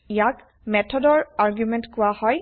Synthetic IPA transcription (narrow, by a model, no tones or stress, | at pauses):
ijak | mɛtʰɔdɔɹaɹɡjumɛntkʊwahɔj